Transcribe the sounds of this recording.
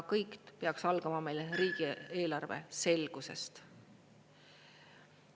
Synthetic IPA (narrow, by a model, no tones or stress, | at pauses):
kɤjk̪peɑksɑlɡ̥ɑmɑme̞jlɾiːɡ̥ieːlɑrve̞̰se̞lɡ̥use̞̰st̪